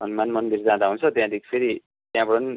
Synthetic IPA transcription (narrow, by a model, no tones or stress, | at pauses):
sʌnmanmʌnd̪iɾd͡zãd̪aɦunt͡sʰʌt̪jãd̪ikʰipʰeɾi | t̪jãbʌɽʌn